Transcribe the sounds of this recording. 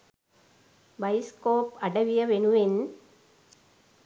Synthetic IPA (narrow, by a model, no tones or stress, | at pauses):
bɐɪskoːpɐɽɐʋɪjɐʋenɯʋɪn